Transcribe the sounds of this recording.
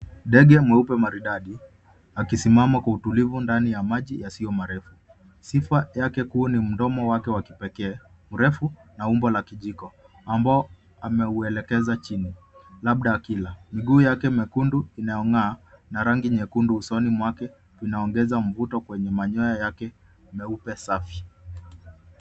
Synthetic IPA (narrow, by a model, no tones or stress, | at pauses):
ndɛɠɛmwɛupɛmaɾiɗaɗi | akisimamakwautulivundanijamaʄijasiɔmaɾɛfu | sifajakɛkunim̩dɔmɔwakɛwaki̥pɛkɛː | muɾɛfunaumbɔlakiʄikɔ | ambaɔ | amɛuɛlɛkɛzat͡ʃini | laɓ̚ɗakilamiɠuːjakɛmɛkunduinajɔŋaːnaɾaŋɡiɲɛkunduːsɔnimwakɛ | vinaɔŋɡɛzaɱ̩vutɔkwɛɲɛmaɲɔjajakɛ | mɛupɛsafi